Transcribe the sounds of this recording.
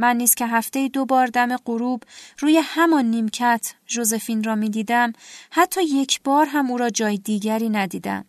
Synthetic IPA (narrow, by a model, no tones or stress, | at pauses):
mænːiːz̥cʰe̞ɦæft̪ejid̪obɒːɾd̪æme̞ɢoɾuːbruːje̞hæmɒnːiːmcʰæt̪ʰʒo̞ze̞fiːnrɒːmiːd̪iːd̪æmhæt̪ʰːɒːje̞cʰb̥ɒːɾɦæmuːɾɒːd͡ʒɒːjed̪iːɟæɾiːnæd̪iːd̪æ̰m